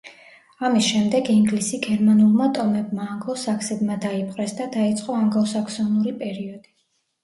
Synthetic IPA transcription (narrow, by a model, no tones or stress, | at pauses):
amisʃɛmd̪ɛɡiŋɡlisiɡɛɾmanulˠmat̪ʼɔmɛbmaːŋɡˠɔsakʰsɛbmad̪aipʰʼqʼɾɛsd̪ad̪ait̪sʼqʼɔaŋɡɔsakʰsɔnuɾipʼɛɾiɔd̪̥i